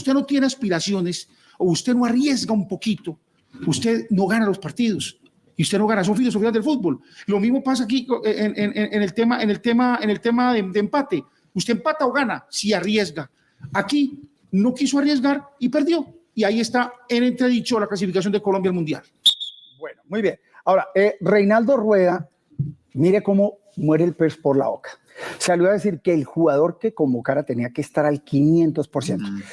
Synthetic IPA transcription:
ust̪e̞not̪jeneaspiɾasjo̞nes | oust̪e̞no̞arje̞zɡaumpo̞kit̪o̞ | ust̪e̞ðno̞ɣanalo̞spaɾt̪iðo̞s | iust̪e̞no̞ɣanaso̞nfilos̬ofiazd̪elfud̪̚bo̞llo̞mizmo̞pasak̬ieʔenenenenelt̪emaʔenelt̪emaenelt̪e̞maðed̪eempat̪e̞ | ust̪e̞empat̪aoɣanasiarje̞zɡaː | ki | no̞kisoarje̞zɡaɾipe̞ɾd̪jo̞ | iaie̞st̪aene̞nt̪ɾe̞ðit͡ʃo̞laklas̬ifikasjo̞nd̪eko̞lo̞mbjalmund̪ja̰l | bwenomujbjen | ao̞ɾaere̞jnald̪o̞rwe̞ɣa | miɾe̞ko̞mo | mweɾeːlpeɾspoɾla̰o̰kḁ | saljoaðe̞s̬iɾkeːlxuɣað̞o̞ɾke̞ko̞mbo̞kaɾat̪e̞niakeːst̪aɾalkinjẽnt̪o̞spoɾsje̞nt̪o

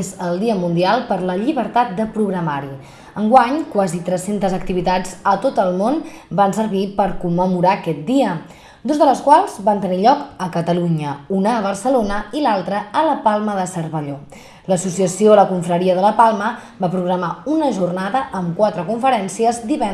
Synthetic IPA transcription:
zəlˠd̪iəmund̪ialˠpəɾləʎiβəɾt̪at̪̚d̪əpɾuɣɾəmaɾi | əŋɡwaɲkwazit̪ɾɛsent̪əzək̚t̪iβit̪ad͡zət̪ot̪əlˠmonbansəɾβipəɾkumːəmuɾakɛt̪̚d̪iə | d̪ozðələskwalˠzβant̪əniʎɔkəkət̪əluɲəunəːβərsəlonəilalˠt̪ɾəələpalˠməðəsərβəʎo | ləsusiəsioləkuɱfɾəɾiəðələpalˠməbapɾuɣɾəmaunəʒurnaðəʔəmkwat̪ɾəkuɱfəɾɛnsiəzd̪iβɛn

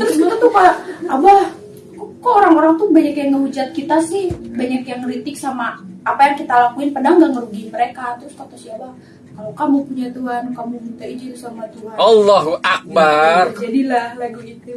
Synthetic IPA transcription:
t̪əɾʊsbat̪at̪ukaabah | kaoɾaŋoɾaŋt̪ʊhbaɲakjaŋəud͡ʒat̪̚kit̪asɪhbaɲakjaŋlit̪ɪk̚samaapajaŋkit̪alakuɪnpadaŋɡaŋəɾuɡiməɾekat̪ɾʊskat̪asiapah | kalokamupuɲat̪uɦankamukit̪aid͡ʒɪlsamat̪uɦanalːɑɦuʔak̚bard͡ʒadilahlaɡiit̪u

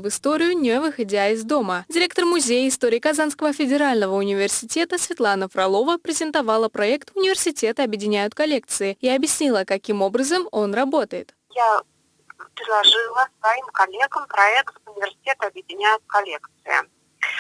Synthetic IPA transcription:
vɨst̪oɾʲɪjʊnʲɪvɨxadʲaɪzd̪o̞mədʲɪɾʲek̚t̪ərmʊzʲejəɪst̪oɾʲɪjkazanskəvəfʲɪdʲɪɾalʲnəvəʊnʲɪvʲɪrsʲɪtʲe̞t̪əsvʲɪt̪lˠanəfrɐlˠo̞vəpɾʲɪzʲɪnt̪avalˠəpɾɐɛkt̪ʊnʲɪvʲɪrsʲɪtʲe̞t̪əɐbʲjɪdʲɪnʲæjʊt̪̚kɐlʲe̞k̚t̪sɨɪiɐbjɪsʲnʲilˠəkɐkʲimo̞bɾəzəmo̞nrɐbo̞t̪əjɪt̪ | ja | pʲɾʲɪd̪lˠɐʐɨlˠəsvɐimkɐlʲeɡəmpɾɐɛkt̪vʊnʲɪvʲɪrsʲɪ̥tʲet̪əɐbjɪdʲɪnʲæjʊt̪̚kɐlʲekt̪sɨjɪ̰

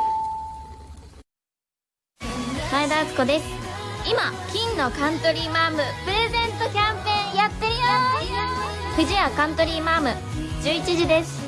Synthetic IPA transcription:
said̪aːsɨ̥ko̞d̪e̞sɨ̥imakʲĩnːo̞kãnt̪o̞ɾʲiːmaːmɯ̟pɯ̟ɾe̞zẽ̞nt̪o̞kʲãmpẽ̞ːjat̪ːeɾijo | ɸɯ̟ʑiakãnt̪o̞ɾʲiːmaːmɯ̟ | d͡ʑɨːit͡ɕiʑid̪e̞sɨ̥

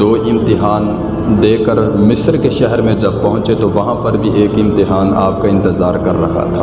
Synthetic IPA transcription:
d̪oːʔɪ̃mt̪ɪɦaːn | d̪eːkəɾmɪsəɾkeʃɛɦɛɾmẽd͡ʒɐb̚pɐɦʊ̃t͡ʃet̪oʋɐɦãpɐɾbʱiʔeːkɪ̃mt̪ɪɦaːna̰ːp̚kaɪ̃nt̪ɪzaːɾkɐɾːɐɦa̰t̪ʰaː

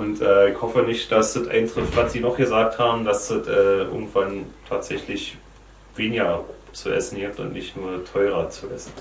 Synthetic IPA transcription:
ʔʊntʔɛːɪçhɔfənɪçtd̥asd̥ətʔa̰ɪntʁ̥ɪftv̥atz̥iːnɔχɡ̥əzaːk̚thaːbm̩dasd̥ətʔɛːʔɪ̰ɐɡŋ̩tv̥antʰaːtz̥ɛçlɪç | v̥eːnɪɡɐ | t͡suʔɛ̰sn̩ɡɪp̚tʊ̰ntnɪçtnuːɐtʰɔʏʁ̞ɐt͡suʔɛsn̩

